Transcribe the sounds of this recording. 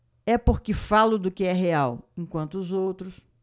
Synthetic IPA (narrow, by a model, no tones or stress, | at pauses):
ɛpoɾkɪfalʊd̪ʊkɪɛɦeawẽkwɐ̃nt̪ʊːzowt̪ɾʊs